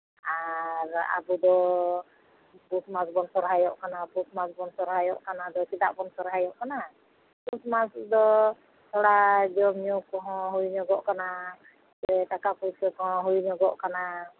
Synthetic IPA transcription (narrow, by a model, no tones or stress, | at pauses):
aɾa̰bud̪ɔ | busmasbɔnsɔɾɦajɔʔkanabusmasbɔnsɔɾɦajɔ̰ʔkanad̪ɔkit̪a̰ʔpɔnsɔɾɦajɔʔkana | busmasd̪ɔ | t̪ɔɽad͡ʒɔmiukɔɦɔ̃ɦuiɲɔɡɔʔkana | dɛt̪akapuit̪̚kɔkɔɦɔ̃ɦuiɲɔɡɔʔkana